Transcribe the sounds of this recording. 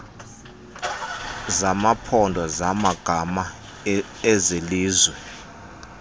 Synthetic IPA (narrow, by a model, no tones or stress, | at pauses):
zamapʰɔndʱɔzamaɡ̥ʱama | ɛzeliːzwɛ